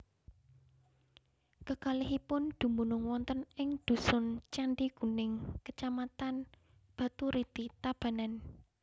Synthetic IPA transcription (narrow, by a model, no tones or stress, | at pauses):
kəkaliɦipʊnd̪̥ṳmunʊŋwɔnt̪ənɪŋd̪̥ṳsʊnt͡ʃanɖiɡ̥ṳnɪŋkət͡ʃamat̪an | b̥ä̤t̪uɾit̪it̪ab̥a̤nan